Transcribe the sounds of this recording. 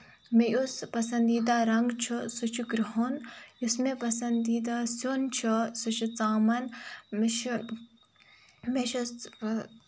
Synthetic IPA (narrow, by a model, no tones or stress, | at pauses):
mejuspɐsɐnd̪iːd̪aːɾɐŋɡt͡ʃʰusut͡ʃʰuɡɾiɦonjusmẽpɐsɐnd̪iːd̪aːsoːnt͡ʃʰusut͡ʃʰut͡saːmɐnmeʃ | meʃɐ